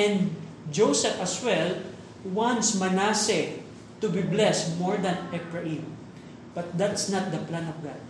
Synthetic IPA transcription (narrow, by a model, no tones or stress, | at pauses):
ɛ̃nd̪ | d͡ʒowsɛfɐswɛl | wãnsmɐnasɛ | t̪ʊbiblɛsmɔɹd̪ɐ̃nɛpɹɐʔim | b̥ɐt̪̚d̪at̪snat̪̚d̪ɐplãnɔvɡad̪̚